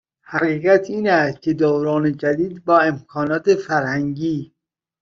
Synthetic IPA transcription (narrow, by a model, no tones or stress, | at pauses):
hæɣiːɣæt̪ʰiːnæst̪̚cʰed̪owɾɒːned͡ʒæd̪iːd̪bɒːe̞mkʰɒːnɒːt̪ʰefæɾhæŋɟiː